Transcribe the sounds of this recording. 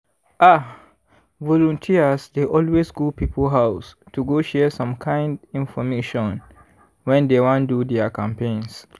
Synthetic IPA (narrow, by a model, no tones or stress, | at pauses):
ʔa | vɔlɔ̃ntʰiəsdeʔɔlwesɡopipəlɦaʊs | tuɡoʃɛsɔ̃mkʰãɪ̃ndĩnfɔmeʃɔ̃n | wɛ̃ndewɔ̃ndudɛakãmpẽns